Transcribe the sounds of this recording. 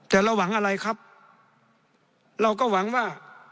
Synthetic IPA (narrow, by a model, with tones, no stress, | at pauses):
t̪ɛː˨˩ɾa˧wːa˩˦ŋʔa˧ɾa˧jkʰa˦˥p̚ | ɾa˧wkɔː˥˩wa˩˦ŋwaː˥˩